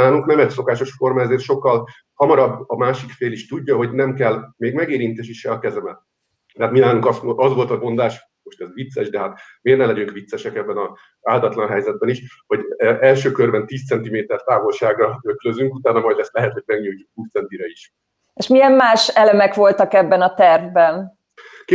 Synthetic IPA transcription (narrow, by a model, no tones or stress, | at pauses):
aːluŋknɛmɛt̪so̞kaːʃo̞ʃformɒɛzeːrt̪ʃo̞kːɒl | hɒmɒɾɒbːɒmaːʃikfeːliʃt̪uɟːɒɦo̞ɟnɛmkɛlmeːɡmɛɡeːɾint̪eːʃiʃɛɒkɛzɛmɛt̪ | t̪ɛɦaːt̪minaːluŋkɒst̪ʔɒzʋo̞lt̪ɒmo̞nd̪aːʃ | mo̞ʃt̪ɛzʋit̪sːɛʃd̪ɛɦat̪meːrnɛlɛɟyŋkʋit̪sːɛʃɛkɛbːɛnɒ | zaːld̪ɒt̪lɒnɦɛjzɛd̪̚bɛniʃ | ho̞ɟʔɛlʃøːkørvɛnt̪iːst̪sɛnt̪imeːt̪ɛrt̪aːvo̞lʃaːɡɒøkløzyŋkut̪aːnɒmɒjd̪ɛst̪lɛɦɛt̪ho̞ɟ̥̚mɛɡɲujcːukuːtt̪sɛnt̪iɾɛiʃ | eʃmijɛmmaːʃɛlɛmɛkʋo̞lt̪ɒkɛbːɛnɒt̪ɛrvbɛn | k